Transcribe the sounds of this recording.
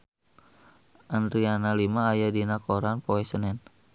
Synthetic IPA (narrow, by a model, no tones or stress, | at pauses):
ʔandɾianalimaːjadinakoɾanpoɛsənɛn